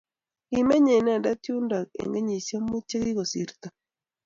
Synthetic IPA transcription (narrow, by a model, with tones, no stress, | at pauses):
ɡi˨me˦ɲe˨na˦˨da˦tju˦nda˨kḛ˨ŋɡe˦ɲi˨so˦mu˦t͡ʃe˦ɣi˦ɣo˨sḭ˨˦ɾt̪a˨